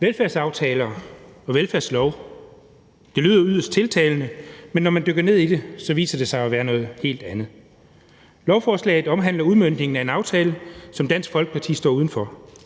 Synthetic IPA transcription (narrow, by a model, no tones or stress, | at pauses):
ʋelfæɐsɑ̈ʊt͡sʰɛːlɐːɒ̽ʋelfæɐslɒʊ | d̥e̝lyːðˠɐyð̰ˠɐsd̥̚t͡sʰe̝lt͡sʰɛːlnəmenːɒmænd̥øɡ̥ɐne̝ð̰ˠid̥e̝sɒ̽ʋḭːsɐd̥e̝sɑ̈ɪɒʋæːɐnɔ̽ːð̩ˠhe̝̰ːld̥ænð̩ˠ | lɒʊfɒːslɛ̰ːɪð̩ˠɒ̽mɦæn̰lɐuðˠmønd̥ne̝ŋn̩æe̝nɑ̈ʊt͡sʰɛːləsɒ̽md̥æn̰sɡ̥fɒ̽lɡ̥ə̥pʰɑ̈t͡sʰḭːsd̥ɒ̰ːuðˠn̩fɒ